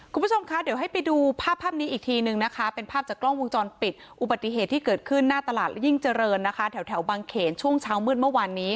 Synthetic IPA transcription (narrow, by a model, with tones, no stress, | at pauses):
u˧mbu˥t͡ɕʰo˧mkʰa˦˥di˩˦wɦa˥˩jpa˧jduː˧pʰaː˥˩pʰːaː˥˩p̚niː˦˥ʔiː˨˩k̚t̪ʰiː˧nɯ˨˧ŋna˦˥kʰa˦˥pe˧npʰaː˥˩p̚t͡ɕaː˨˩klɔ˥˩ŋwo˧ŋt͡ɕɔː˧npi˨˩t̪̚ʔu˨˩ba˨˩t̪ːi˨˩ɦeː˨˩t̪ʰːiː˥˩kɤː˨˩t̪̚kʰɯ˥˩nːaː˥˩t̪a˧laː˨˩lji˥˩ŋt͡ɕa˧ɾɤː˧nːa˦˥kʰa˦˥t̪ʰɛ˩˦wt̪ʰɛ˩˦wbaː˧ŋkʰeː˩˦nt͡ɕʰu˥˩əŋt͡ɕʰaː˦˥wmɯː˥˩n̚mɯ˥˩əwaː˧nːiː˦˥